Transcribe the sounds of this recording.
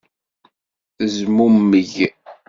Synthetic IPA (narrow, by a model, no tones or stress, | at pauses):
θəzmumːəʝ